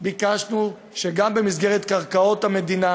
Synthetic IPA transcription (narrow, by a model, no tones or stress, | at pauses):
bikaʃnu | ʃeɡambe̞misɡeʁet̪kaʁkao̞t̪hame̞d̪ina